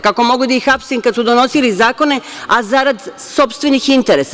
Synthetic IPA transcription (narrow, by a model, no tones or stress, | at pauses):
kako̞mo̞ɡud̪aixapsinkad̪sud̪o̞no̞silizaːko̞ne̞ | azaɾad̪ | so̞pst̪ʋenixint̪e̞ɾes